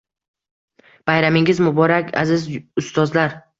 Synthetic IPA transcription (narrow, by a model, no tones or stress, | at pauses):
b̥ajɾamɪŋɪzmʊbɒɾakʲʰa̰zɪzʊst̪ɒzlaɾ